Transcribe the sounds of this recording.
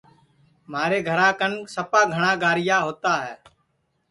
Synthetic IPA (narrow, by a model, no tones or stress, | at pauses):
maːɾeːɡʱəɾãːkənsəpaːɡʱəɳ̃aːɡaːɾɪjaːɦoːt̪aːɦɛː